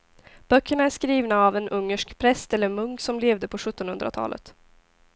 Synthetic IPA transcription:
b̥œkːəɳaæʂkɾiːvnaːvɛnʔɵŋːəʂkpʰɾɛst̪ɛlːəɾmɵŋksɔmleːvd̪əpʰɔɧɵt̪ːɔnhɵnd̪ɾa̰t̪ʰɑ̰ːlə̰t̪

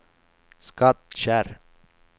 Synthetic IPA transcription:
skɑt̪ʃæːɾ

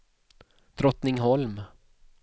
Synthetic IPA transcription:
d̪̥ɾɔt̪nɪŋɦɔlm

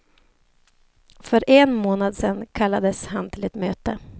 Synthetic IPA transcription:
fœɾʔɛnmoːnad̪sɛnkʰalːad̪əshant̪ʰɪlɛt̪møːt̪ə

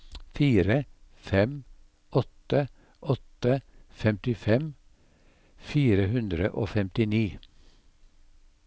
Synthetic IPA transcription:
fiːɾə | fɛm | ɔt̪ə | ʔɔt̪əfɛmt̪ɪfɛm | fiːɾəhʉnd̪ɾəʔo̰ːfɛmt̪ɪniː

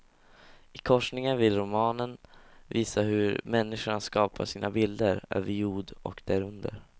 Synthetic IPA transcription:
ɪkʰɔʂɳɪŋənvɪlɾʊmɑːnənviːsaɦɵɾmɛnːɪʂʊɳaskɑːpʰa̰ʂiːnʔabɪld̪əɾø̰ːvəɾjuːɖɔ̰kd̪̥æɾɵnd̪ə̰ɾ

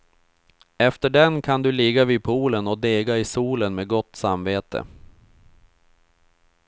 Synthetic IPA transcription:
ɛft̪əɖɛnkʰand̪ɵlɪɡaviːd̪̚pʰuːlənɔd̪eːɡaɪsuːlənmeːɡɔt̪ːsamveːt̪ə̰

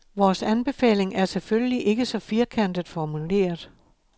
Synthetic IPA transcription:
ʋɒːsænb̥e̝fɛ̰ːle̝ŋæɐselføləliʔe̝ɡ̥əsɒ̽fiɐkʰæn̰d̥ð̩ˠfɒmule̝̰ːɐðˠ

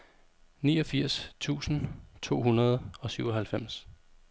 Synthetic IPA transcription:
niːɒ̽fiɐ̰st͡sʰṵːsn̩t͡sʰo̝̰ːɦunɐð̞ˠɒ̽syʊ̰ɒ̽hælfem̰s

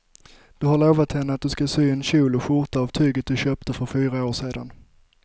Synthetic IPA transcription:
d̪̥ɵɦaɾɭoːvat̪hɛnːəat̪̚d̪ɵskasyːɛnɕuːlɔɧʊɾʈ̪aavt̪ʰyːɡət̪̚d̪ɵɕœːp̚t̪əfœɾfyːɾaoːʂeːd̪a̰n

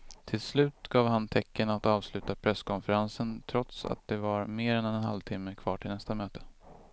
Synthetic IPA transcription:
t̪ʰɪlslʉ̟ːt̪ɡɑːvɦant̪ʰɛkːənat̪ɑːvslʉ̟ːt̪apʰɾɛskʰɔnfəɾansənt̪ʰɾɔt̪sa̰t̪̚d̪ɛvaɾmeːɾɛnɛnɛnha̰lvt̪ʰɪmːəkʰvɑ̰ːʈʰɪlnɛst̪amøːt̪ə̥

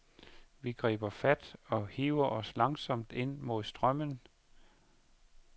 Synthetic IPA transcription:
ʋiɡ̥ʁḭːb̥ɐfæd̥ɒ̽hiʊɐʔɒ̽slɑ̈ŋsɒ̽m̰d̥e̝n̰mo̝ð̰ˠsd̥ʁɶm̰ən

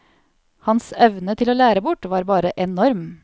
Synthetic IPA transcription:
hɑnsɛʋnət̪ʰɪloːlæːɾəbʊʈʋɑːɾbɑːɾəʔɛnɔɾm

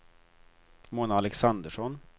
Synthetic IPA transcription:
moːnaːlɛksand̪əʂɔn

